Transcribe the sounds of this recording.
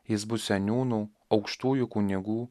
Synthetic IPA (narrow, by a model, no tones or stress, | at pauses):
jɪsbʊsʲɛnʲuːnuː | ɒʊkʃt̪uːjʊkʊnʲɪɡuː